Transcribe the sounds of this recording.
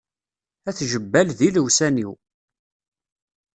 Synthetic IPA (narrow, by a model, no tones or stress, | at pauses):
æθʒəbːælðiləwsæniw